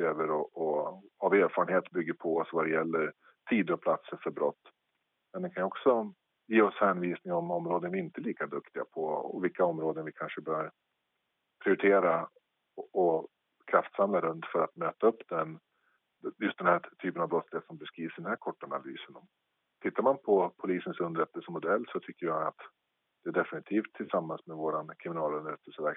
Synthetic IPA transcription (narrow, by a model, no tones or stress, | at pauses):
øːvəɾɔʔɔhaveːɾfɑːɾənheːt̪bʏɡːəɾpʰɔɔsvad̪ɛjɛlːəɾ | t̪ʰiːd̪ɾɔpʰlat̪səɾfœɾbɾɔ̰t̪ː | mɛnd̪ɛkʰanjɔksɔ | jeːɔshɛnviːsnɪŋɔmɔmɾoːd̪ənvɪɪnt̪əliːkad̪ɵkt̪ɪɡa̰pʰɔɔ̰vɪlkʰːaɔmɾoːd̪ənvɪkʰanʂəbœːɾ | pʰɾɪʊɾɪt̪ʰeːɾa | ɔ | kʰɾaft̪samlaɾɵnt̪fœɾat̪møːt̪aɵpːd̪ɛn | jɵst̪d̪ɛnhæːʈ̪ʰyːpənavbɾɔt̪slɪheːt̪sɔmbɛskɾiːvsd̪ɛnhæːɾkʰɔʈːana̰ly̰ːsənɔm | t̪ʰɪt̪ːaɾmanpʰɔpʰʊliːsənsɵnd̪əɾɛt̪ːəlsəmʊd̪ɛlːsɔt̪ʰʏkːəɾjaa̰t̪ | d̪̥ɛæɖɛfɪnɪt̪ʰiːft̪ʰːɪlsamːansmɛvoːɾankʰɾɪmɪnɑːlɵnd̪əɾɛt̪ʰːəlsəvæ